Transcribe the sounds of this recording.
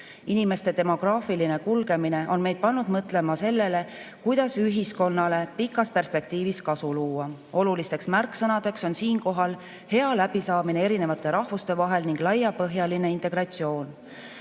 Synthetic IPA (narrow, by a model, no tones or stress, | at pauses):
inime̞st̪e̞t̪e̞mo̞ɡ̥rɑːfiline̞kulɡe̞mine̞ʔo̞nme̞jd̪̚pɑnːud̪mɤt̪ːˑle̞mɑse̞lːe̞le̞kujd̪̥ɑsyɦisko̞nːɑle̞pikːˑɑspe̞rspe̞k̚t̪iːviskɑsuluːɑo̞lulist̪e̞ksmærkːˑsɤnɑd̪̥e̞kso̞nsiːnko̞ɦɑl | he̞ɑlæb̥isɑːminee̞ɾinevɑt̪ˑːe̞ɾɑhvust̪e̞vɑɦe̞lniŋɡ̥lɑjːɑpɤɦjɑline̞int̪ˑe̞ɡ̥rɑt̪sio̞ːn